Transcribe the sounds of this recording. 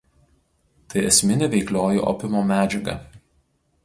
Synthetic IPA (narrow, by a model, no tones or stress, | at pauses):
t̪ɐɪɛsʲmʲɪnʲɪʋʲɛɪklʲoːjṵːˑʔɔ̰pʲɪmoːmʲæːd͡ʒʲɛɡɐ̰